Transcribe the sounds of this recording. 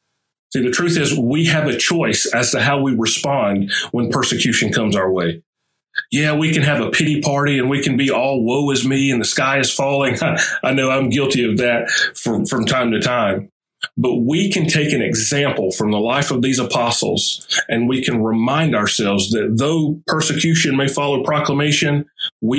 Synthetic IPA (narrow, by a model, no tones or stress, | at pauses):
siðɨtʰɹ̥ʉθɪzwiɨvɨt͡ʃʰɔɪsɨz̥tɨɦaʊwiɹɨspɑ̃nd̚wə̃npʰɜ˞sɨkʰj̥ʉʃɨ̃nkʰʌ̃mzaʊə˞weɪ | jæwikɨ̃nɨvəpʰɪɾipʰɑɹɾiɨ̃nwikʰɨ̃nbiɔlˠwoʊɨzmiɨ̃nðɨskaɪɨz̥fɔlˠɪ̃ŋaɪʔaɪnoʊãɪ̃mɡɪlˠtiʌvðɨt̚fɹʌ̃mfɹʌ̃mtʰãɪ̃mtʰɨtʰãɪ̃m | bʌt̚wikʰɨ̃ntʰeɪkɨ̃nɨɡzæ̃mpl̩ˠfɹʌ̃mðəlaɪfʌvðizəpʰɑsl̩ˠz̥ɨ̃nwikʰɨ̃nɹɪmãɪ̃ndəə˞sɛlˠvzðɨt̪̚ðoʊpʰɜ˞sɨkʰj̥ʉʃɨ̃nmeɪfɑlˠoʊpʰɹ̥ɑkləmeɪʃɨ̃nwi